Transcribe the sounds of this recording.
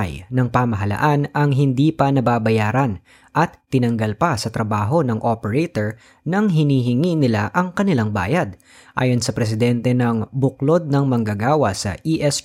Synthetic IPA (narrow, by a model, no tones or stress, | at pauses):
jnɐŋpamɐɦɐlɐ̰ʔanɐŋɦɪnd̪iːpɐnɐbaːbɐjaːɾɐn | ʔɐt̪ːɪnɐŋɡɐlpɐsɐt̪ɾɐbaːɦo̞nɐŋʔopɛɹɛt̪ɛɹ | nɐŋɦɪniːɦɪŋinɪla̰ʔɐŋkɐnɪlaŋba̰ːjɐd̪̚ | ʔa̰ːjo̞nsɐpɾɛs̬ɪd̪ɛnt̪ɛnɐŋbʊk̚lo̞d̪̚nɐŋmɐŋɡɐɡaːwɐsɐ̰ʔiʔɛs